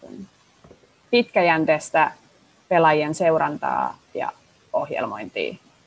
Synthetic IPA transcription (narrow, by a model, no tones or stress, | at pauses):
un | pit̪kæjænt̪eːst̪æ | pe̞lɑjienseuɾɑnt̪ɑ̰ːjɑ̰ | ohjḛlmo̞jnt̪ḭː